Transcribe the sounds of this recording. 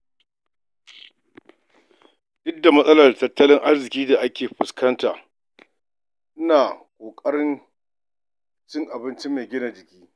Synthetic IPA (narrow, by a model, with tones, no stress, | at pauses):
dɪ˦dːa˨mɐ˦sʼɐ˦lɐ˨rtɐ˦tːɐ˦lɪ˦ŋʔa˦rzɪ˨kʲiː˦da˨ʔa˦kʲeː˨ɸʊ˨skɐ˦ntaː˨ | ʔɪ˦naː˨kʷʼoː˨kʼɐ˦ɽɪ˦n | t͡ʃɪ˦ŋʔa˨bɪ˦nt͡ʃɪ˦mːeː˨ɡʲɪ˦na˨d͡ʒɪ˨kʲiː˦